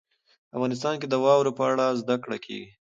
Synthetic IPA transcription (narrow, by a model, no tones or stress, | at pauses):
afɣɑnɪs̬t̪ɑnked̪əwɑwɾopəaɽazd̪akɽa̰kʰḛɡi